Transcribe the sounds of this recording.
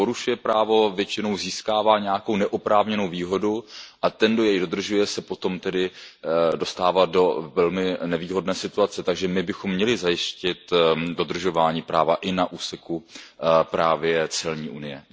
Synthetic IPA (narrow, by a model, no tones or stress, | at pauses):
po̞ɾuʃujɛpɾaːvo̞vjɛt͡ʃɪno̞wziːskaːvaːɲɛjako̞wnɛʔopɾaːvɲɛno̞wviːɦo̞duʔat̪ɛndo̞jɛjdo̞d̪r̩ʒujɛsɛpo̞t̪o̞mt̪ɛdɪdo̞st̪aːvado̞vɛlmɪnɛviːɦo̞dnɛːsɪt̪uat͡sɛt̪aɡʒɛmɪbɪxomːɲɛlɪzajɪscɪt̪do̞d̪r̩ʒo̞vaːɲiːpɾaːvaʔɪnaʔuːsɛkupɾaːvjɛt͡sɛlɲiːʔunɪjɛ